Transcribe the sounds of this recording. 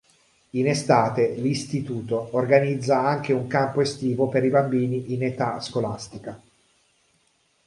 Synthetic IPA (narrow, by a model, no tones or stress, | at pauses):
inest̪aːt̪elist̪it̪uːt̪oːrɡanid̪zːaaŋk̟euŋkampoest̪iːvopeɾibambiːniʔinet̪a̰skolast̪ika